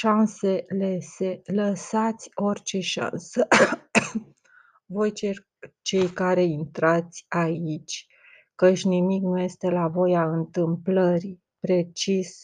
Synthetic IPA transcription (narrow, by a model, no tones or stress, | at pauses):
ʃanse̞lese̞ləsat̪sʲo̞rʲt͡ʃe̞ʃa̰nsə | vo̞jt͡ʃer | t͡ʃe̞jkaɾe̞int̪ɾat̪sʲait͡ʃʲ | kət͡ʃʲnimiknuje̞st̪e̞lavo̞jaɨnt̪ɨmpləɾi | pɾe̞t͡ʃis